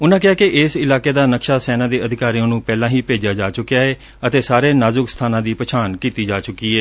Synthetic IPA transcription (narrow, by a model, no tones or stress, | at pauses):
ʊnãːkɪaːkɪʔɪsɪlaːkeːd̪aːnəkʃaːsɛːnãːd̪eːəd̪ʱɪkaːɾijõːnũːpɛːlãːɦiːpeːd͡ʒaːd͡ʒaːt͡ʃʊkejaːɦɛː | ət̪eːsaːɾeːnaːzʊkst̪ʰaːnãːd̪iːpət͡ʃʰaːnkiːt̪iːd͡ʒaːt͡ʃʊkiːɛː